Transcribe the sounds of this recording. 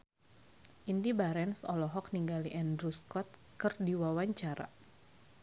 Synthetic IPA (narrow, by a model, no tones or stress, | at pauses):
ʔindibaɾɛnsɔ̰lɔɦɔk̚niŋɡaliʔɛndɾuskɔt̪̚kɨrdiwawaɲt͡ʃaɾa̰